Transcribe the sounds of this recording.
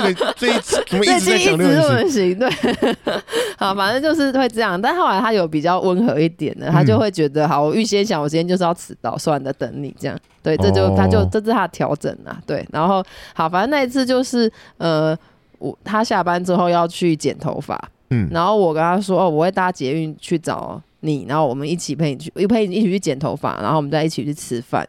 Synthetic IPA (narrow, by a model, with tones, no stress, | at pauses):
we˥˩˥i˥˨˧ə˧˦ɕi˧˥ŋt̪we˥˩ɪ | hɑ˨˩ʊfa˨˩nə˥˧nt͡ɕjo˥˧ʊʂɻ̩˥˧xwe˥˧ɪʈ͡ʂɤ˥˧jɑ˥˩ŋt̪a˥˧nxo˥˩ʊla˧˥ɪtʰa˥jo˨˧ʊp̬i˨˩t͡ɕjɑ˥˩ʊʔwə˦˥nxɤ˧˥i˥˩t̪jɛ̰˨˩nd̪ə̰˦t̪ʰa˥t͡ɕjo˥˧ʊxwe˥˩ɪt͡ɕɥɛ˧˥d̪ə˧xɑ˨˩ʊwɔ˨˩y˥˩ɕjɛ˥nɕjɑ˨˩ŋwɔ˨˩˧t͡ɕjɛ˥jo˥˧ʂɻ̩˥˧jɑ˥˧ʊt͡sʰɹ̩˨˩t̪ɑ̰˥˩ʊso˥ʊa˧nd̪ə˨t̪ə̰˧˦˥ŋlḭ˨˩˦ʈ͡ʂɤ˥˧jɑ̰˥˩ŋ | t̪we˥˩ɪɤ˥˧t͡ɕjo˥˧ʊt̪ʰa˦t͡ɕjo˥˧ʊʈ͡ʂɤ˥˧ʈ͡ʂ̩˥˩tʰa˥t̪ʰjɑ̰˧˥ʊʈ͡ʂə̰˨˩nlɐ̰˩t̪we˥˩ɪna̰˧˦˥nxo˥˩ʊhɑ˨˩ʊfa˨˦˥na˥˧i˧t͡sʰɹ̩˥˧t͡ɕjo˥˧ʊʂɻ̩˥˩ə˨˧ | wɔ̰˨˩t̪ʰa˦˥ɕja˥˩pa˥nʈ͡ʂɻ̩˥xo˥˧ʊjɑ˥˧ʊt͡ɕʰy˥˩t͡ɕjɛ˨˩nt̪ʰo̰˧˦ʊfa̰˨˩˦ | na˧˥nxo˥˩ʊwɔ˨˩kə˦nt̪ʰa˥swɔ˥o˥˩wɔ˨˩we˥˩t̪a˥˩t͡ɕjɛ˧˥y˥˧nt͡ɕʰy˥˩ʈ͡ʂɑ̰˨˩ʊ | ni˨˩na̰˨˧˦ŋxo˥˩wɔ˨˩mə˦ni˥˩t͡ɕʰi˨˩pʰe˥˩ɪni˨˩t͡ɕʰy˥˩˥pʰe˥˩ɪi˥˩t͡ɕʰi˨˩t͡ɕʰy˥˩t͡ɕjɛ˨˩nt̪ʰo̰˧˥ʊfa̰˨˩na̰˨˧˥xo˥wmə˧˥t͡sa˥˧i˥˩t͡ɕʰi˨˩y˥˩t͡sʰɻ̩˧˥˦fa̰˨˩˦n